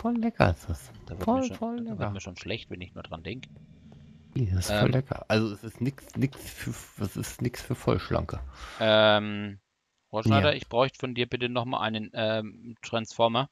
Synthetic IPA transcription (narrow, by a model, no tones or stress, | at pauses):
fɔllɛkɐ̰ɪsd̥asd̥aːvɔfɔldɛaːvɪɐɐnviɐʃoːnʃlɛçtvɛnɪçnuːɐd̥ʁa̰nd̥ɛŋkə̥ | lisɪsɛfːɔlːɛkʰɐ̰ʔalzoɛsɪstnɪksnɪksfyːɐɛsɪ̰stnɪksfyːɐfɔ̰lʃlʔa̰ŋkəʔɛm | foːɐʃnaɪɾɐʔɪçb̥ʁɔʏçtə̥fɔndiːɐbɪtənɔχma̰ːlʔa̰ɪnənʔɛːmtʁ̥ansfɔɐmɐ